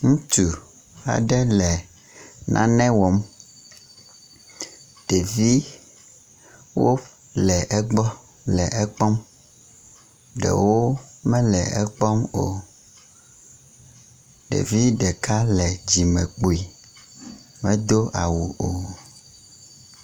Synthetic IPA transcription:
ŋũ˦t̪u˨ | a̰˨ɖɛ˦lɛ˨ | nʔã̰˦nɛ̃˦wɔ˨˦m | ɖ̥e˨vi˦ | wo˦ | lɛ˨ʔɛ˦ɡ͡bɔ˦ | lɛ˨ʔɛ˦k͡pɔ˦m | ɖɛ̰˨wo˦mɛ̃˦lɛ˨ɛ˦k͡pɔ˦mo̰˨ | ɖḛ˨vi˦ɖɛ˨ka˦lɛ˨d͡ʑi˨mɛ̃˨k͡po˨i˨ | mɛ̃˦d̪o˦ʔa˨wu˨o˨

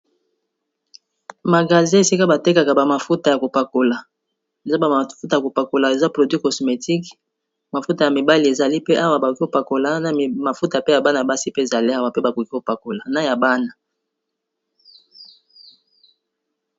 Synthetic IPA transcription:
ma˨ɡa˨zɛ˦e˨si˦ka˦ba˨te˦ka˨ka˨ba˨ma˨fu˦ta˨ja˨ko˨pa˨ko˨la˨ | e˨za˦ba˨fu˦t̬a˨ja˨ko˨pa˨ko˨la˨e˨za˦pʁo˨dwi˦kɔ˨sme˨ti˦k | ma˨fu˦ta˨ja˨mi˨ba˦li˨e˨za˨li˦pe˦ʔa˦wa˦ba˨o˨ki˦o˨pa˨ko˨la˦na˨ma˨fu˦ta˨pe˦ja˨ba˦na˨ba˦si˦pe˦e˨za˨li˦a˦wa˨pe˦ba˨ku˨ki˦o˨pa˨ko˨la˨na˨ja˨ba˦na˨

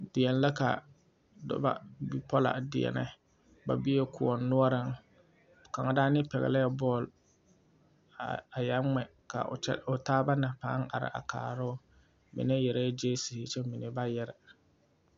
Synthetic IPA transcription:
dɪ˨ɛ˨n˨la˦ka̰˨ | dʊ̰˦ba̰˦bi˦pɔ˦la̰˨dɪ˨ɛ̰˨nɪ̰˦ | ba̰˨bi˦e˦kʊ˨ɔ˨nːʊ˦ɔ˦ɾɪ˦ŋ˨ | ka˨ŋa˨daː˦nɪ˦pɛ˨ɣɛ̰˨la˦ja˦bɔː˦˨l | a˨ja˨˦ŋ͡mɛ˨ | ka̰˨˦ʊ˨taː˦ba˦na˨paː˨˦ŋa̰˨ɾɪ̰˨ʔa̰˨ka̰ː˨ɾʊ˦ | mɪ̰˨nɛ˦jɛ˨ɾa˦d͡ʒeː˦si˨hɪ˨t͡ʃɛ˦mɪ˨nɪ˨ba˦jɛ˦ɾɪ˨

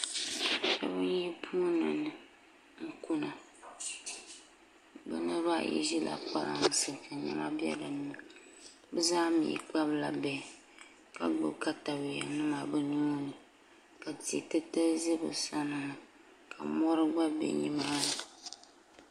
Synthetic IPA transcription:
ʃa˦bɨ˦n˦ji˦pʰuː˦nɨ̰˨nɨ˨ | ŋ̩˦ku˦na˨ | bɨ̰˦nɨ˦ɾa˦ʔjḭ˦ʒi˦la̰˨k͡pa˦la̰˨ŋ˨sɨ˦ka˨ɲɛ̰˦ma˦bi˦ɛ̰˦dɨ˨nɨ˦ma˨ | bɨ˦zaː˦mḭ˨k͡pa˦bla˨bɛ˨ | ka˨ɡ͡bɨ̰˨ka˦ta˨bi˨a˨nɨ˦ma˨bɨ˦nu˦nɨ˨ | ka˨ti˨e˨tɨ˦tɨ˦zi˦bɨ̰˨sa˦nɨ˨nɨ˨ | kʰa̰˨mɔ˦ɾɨ˦ɡ͡ba˦bɛ̰˨ɲi˦ma˦nɨ˨

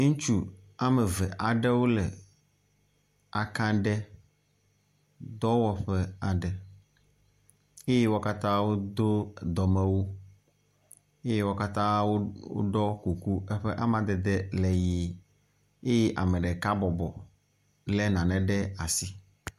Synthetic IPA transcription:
ŋũ˦t͡ʃu˦a˦mɛ˨vɛ˨ʔa˨ɖɛ˦wo˦lɛ˨ | a˨kã˦ɖɛ˦ | d̪ɔ˦wɔ˦ɸɛ˦a˨ɖɛ˨ | e˦jɛ˦wɔ˦ka˦t̪ã˦wo˦d̪o˦d̪ɔ˨mɛ̃˦wo˦ | e˦je˦wɔ˦ka˦t̪ã˦wo˦wo̰˦ɖɔ˦ku˨ku˦ɛ˦ɸe˦ʔa˦mã˦d̪ɛ˨d̪ɛ˦lɛ˨ji˨˦ | e˦jɛ˦ʔa˨mɛ˨ɖɛ˨ka˦bɔ˨bɔ˨ | lɛ˦nã˨nɛ̃˨ɖɛ˦a˨si˦

